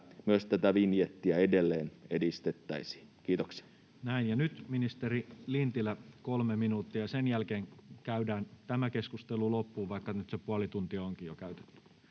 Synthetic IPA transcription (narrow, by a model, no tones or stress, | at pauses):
myøst̪æt̪æʋinjet̪ːiɑedelːeːnedist̪et̪ːæisi̥ːkiːt̪oksi̥ɑ̥ | næinjɑnyt̪minist̪erilint̪ilækolmeminuːt̪ːiɑjɑsenjælkeːŋkæydæːnt̪æmækeskust̪elulopːuːʋɑikːɑnyt̪sepuɑlit̪unt̪iɑoŋkijokæyt̪e̥t̪ːy̥